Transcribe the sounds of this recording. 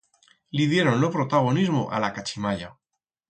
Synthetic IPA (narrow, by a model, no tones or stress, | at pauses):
liðjeɾo̞nlopɾo̞t̪aɣ̞o̞nizmoʔa̰lakat͡ʃimaʎa